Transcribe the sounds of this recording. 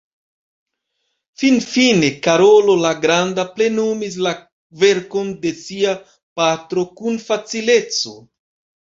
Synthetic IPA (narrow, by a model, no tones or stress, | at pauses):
finfine̞kaɾo̞lo̞laɡɾandaple̞numis̬la | ve̞ɾko̞nde̞sia | patɾo̞kunfat͡sile̞t͡so̞̰